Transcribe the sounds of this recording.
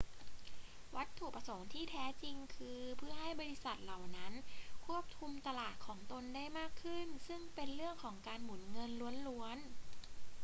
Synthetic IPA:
wa˦˥t̪ʰːuː˨˩pa˧so˩˦ŋt̪ʰiː˥˩t̪ʰɛː˦˥t͡ɕi˧ŋkʰɯː˧pʰɯ˥˩ɐɦa˥˩jbɔː˧li˧˦˥sa˨˩t̪̚la˨˩wna˦˥nkʰu˥˩əp̚t̪ʰu˧mt̪a˧laː˨˩t̪̚kʰɔː˩˦ŋt̪o˧nda˥˩jmaː˥˩kʰːɯ˥˩nsɯ˥˩ŋpe˧nɾɯ˥˩əŋkʰɔː˩˦ŋkaː˧nmu˩˦nŋɤ˧nlu˧˦ənlu˧˥ən

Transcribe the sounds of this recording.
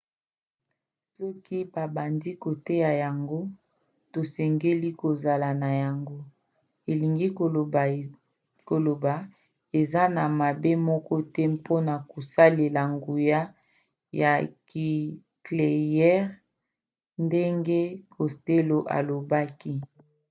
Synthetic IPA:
sɔ˦ki˦ba˨ba˨ndi˦ko˨te˦ja˨ja˨ŋɡo˦ | to˨sɛ˨ŋɡe˦li˦ko˨za˨la˨na˨ja˨ŋɡo˦ | e˨li˨ŋɡi˦o˨ | ko˨lo˨ba˨ | e˨za˦na˨ma˨be˦mɔ˦kɔ˦tɛ˦pʰo˦na˨ko˨sa˦le˨la˨ŋɡu˨ja˦ | ja˨ki˨ | kle˨jɛ˦ʁ | nde˦ŋɡe˦kʰo˨ste˦lo˨ʔa̰˨lo˨ba˦ki˦

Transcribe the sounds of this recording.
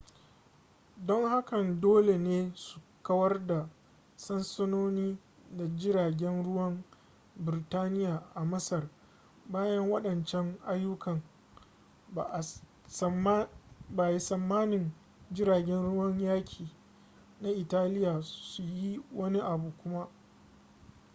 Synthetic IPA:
dɔ˦ŋha˦kɐ˨ndoː˦le˨neː˦su̥˨kɐ˦wɐ˦rda˨ | sɐ˦nsɐ˦noː˦niː˦ | da˨d͡ʒɪ˦ɾaː˨ɡʲɛ˦nɽʊ˦wɐ˦m | bɪ˨ɾɪ˨taː˦nɪ˦jaː˨ʔa˨mɐ˦sɐ˨r | baː˦jɐ˦ŋwɐ˦ɗɐ˨nt͡ʃɛ˦ŋʔa˦jːʊ˦kɐ˨ŋ˨ | ba˨ji˦sɐ˨mːaː˦nɪ˨n | d͡ʒɪ˦ɾaː˨ɡʲɛ˦nɽʊ˦wɐ˦ɲjaː˦kʲʰiː˨ | na˦ʔɪ˨taː˦lɪ˦jaː˨su˨ji˦wɐ˦ni˦ʔa˨buː˨kʷʊ˦ma˦ʔ

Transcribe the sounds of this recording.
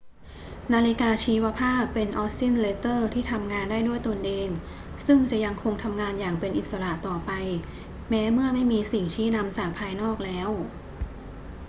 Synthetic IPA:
naː˧li˦˥kaː˧t͡ɕʰiː˧˥wa˦˥pʰaː˥˩pːe˧nʔɔː˦˥si˥˩nleː˧˥t̪ɤː˥˩t̪ʰiː˥˩t̪ʰa˧mŋaː˧ndaː˥˩jdu˥˩jt̪o˧nʔeː˧ŋ | sɯ˥˩ŋt͡ɕa˨˩ja˧ŋkʰo˧ŋt̪ʰa˧mŋaː˧njaː˨˩ŋpe˧nʔi˨˩t̪̚sa˧ɾa˨˩ʔt̪ɔː˨˩pa˧j | mɛː˦˥mɯ˥˩ɐma˥˩jmiː˧si˨˩ŋt͡ɕʰiː˦˥˩na˧mt͡ɕaː˨˩k̚pʰaː˧jnɔː˥˩k̚lɛː˦˥w

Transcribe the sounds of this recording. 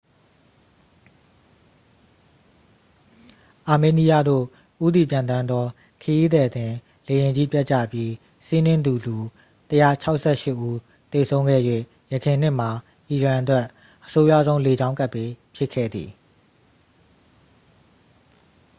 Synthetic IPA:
ʔa˨me˨ni˦ja˦˨d̪o̰˦˨ | ʔu˦d̪ḭ˦˨pjã˨nt̪ã˦nd̪ðɔ˦ | kʰə˨ji˦d̪ɛ˨d̪ɪ̃˨ | le˨jɪ̃˨ɲd͡ʑi˦pja˦ʔt͡ɕä̰˦˨pji˦ | si˦nɪ̃˦nd̪u˨lu˨ | təja˦˨t͡ɕʰa˦ʊʔsɛ˦ʃɪ˦ʔːu˦ | t̪e˨sʰõ˦ʊ̃ɡɛ̰˦˨jwḛ˦˨ | jəkʰɪ̃˨n̥ɪ̃˦˨m̥a˨ | ʔi˨ɹã˨ʔətwɛ˦ʔ | ʔəso˦jä̰˦˨zõ˦ʊ̃le˨d͡ʑã˦ʊ̃ŋka˦ʔpːe˦pʰjɪ˦ʔkʰːɛ̰˦˨d̪ðḭ˨

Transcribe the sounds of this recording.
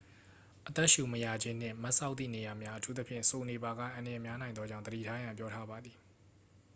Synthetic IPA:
ʔət̪ɛ˦ʔʃu˨məja˨d͡ʑɪ̃˦n̥ɪ̰̃˦˨ma˦ʔsa˦ʊt̪ːḭ˦˨ne˨ja˨mja˦ʔətʰu˦t̪ə˦pʰjɪ̰̃˦˨so˨ne˨ba˨ɡä̰˦˨ʔã˨ndə˨jɛ˨mja˦nã˨ɪ̃nd̪ɔ˦d͡ʑã˦˨d̪əɾḭ˦˨tʰa˦jã˨mpjɔ˦tʰa˦ba˨d̪ði˨

